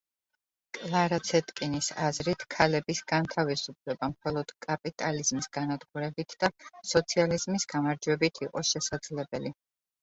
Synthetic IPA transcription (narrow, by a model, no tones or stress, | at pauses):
kʼlˠaɾat̪sʰɛt̪ʼkʼinisazɾit̪ʰkʰalɛbisɡant̪ʰavisupʰlɛbamχɔlˠɔd̪̥kʼapʼit̪ʼaliz̥misɡ̥anad̪ɡuɾɛbit̪ʰd̪̥asɔt̪sʰializmisɡ̥amaɾd͡ʒwɛbit̪ʰiqʼɔʃɛsad̪z̥lɛbɛli